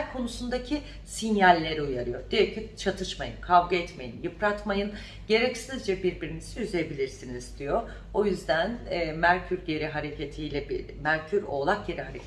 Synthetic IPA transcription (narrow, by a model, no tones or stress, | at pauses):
ɾkʰo̞nusund̪acʰi | sinjalʲːe̞ɾiujaɾɯjo̞d̪̥ijøcʰit͡ʃʰat̪ʰɯʃmajɯnkʰavɡaɛt̪me̞jḭnjɯpɾat̪majɯn | ɟe̞ɾɛcsiniizd͡ʒɛbiɾbiɾiniz̥iyzebilʲiɾsiniz̥d̪ijo̞ | o̞jyzd̪ænːmæɾcʰyɾɟe̞ɾiɦaɾe̞cʰe̞t̪ʰijlʲɛbi | mæɾcʰyɾo̞lˠak̚ɟe̞ɾiɦaɾḛcʰ